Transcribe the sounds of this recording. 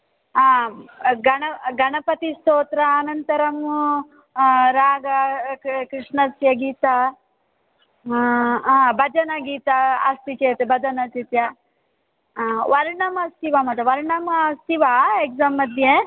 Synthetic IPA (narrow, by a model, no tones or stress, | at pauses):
a | ɡɐɳɐɡɐɳɐpɐt̪ist̪oːt̪ɾɐːnɐnt̪ɐɾɐm | ɾaːɡɐkɾiʂɳɐsjɐɡiːt̪a | bɐd͡ʒɐnɐɡiːt̪ɐɐst̪it͡ʃeːt̪ebɐd̪ɐnɐsit̪jɐ | ʋɐɾɳɐmɐst̪iʋɐmɐt̪ɐʋɐɾɳɐmɐst̪iʋaeɡzamːɐd̪ʱje